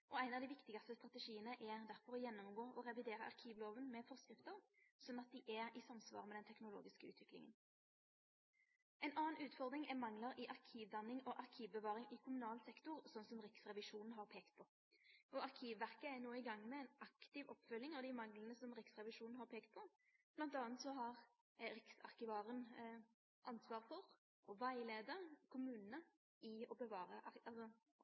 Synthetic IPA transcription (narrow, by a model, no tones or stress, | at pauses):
ʔɔæɪnɑʋd̪ɪʋɪkt̪ɪɡɑst̪əst̪ʁɑt̪əʃiːənəʔɛd̪æɾfɔɾɔjɛnːɔmɡoːʔɔʁɛʋɪd̪eːɾə̰ʔɑ̰ʁkʰiːʋloːʋənmɛfɔʁskʁɪft̪əʁsɔnːɑt̪̚d̪ɪʔɛɾɪsɑmsʋɑ̰ːʁmɛd̪ɛnt̪ʰɛknʊlo̰ːɡɪskəʉ̰ːt̪ʋɪklɪ̰ŋə̰n | ɛɪnʔɑːnʉːt̪fɔʁd̪ɾɪŋɛmɑŋləɾɪʔɑʁkʰiːʋd̪ɑnɪŋɔʔɑʁkʰiːʋbəʋɑːʁɪŋʔɪkʰʊmʉnɑːlsɛkt̪ʊʁsɔnːsɔmʁɪksʁɛʋɪʂuːnn̩ɦɑʁpʰeːkt̪̚pʰɔ | ɔɑʁkʰiːʋʋæʁkəænoːɪɡɑŋːmɛɛnɑkt̪ɪʋɔpːfʉlːɪŋɑʋd̪ɪmɑŋlən̩əsɔmʁɪksʁɛʋɪʃuːnn̩hɑʁpʰeːkt̪̚pʰɔ | blɑnt̪ɑːnt̪sɔɦɑʁ | ɾɪksɑ̰ʁkɪʋɑːʁən | ʔɑnsʋɑːʁfɔʁ | ʔɔʋæɪleːd̪əʁkʰʊmʉːnənə | ɪɔbəʋɑːʁəʔɑlsɔ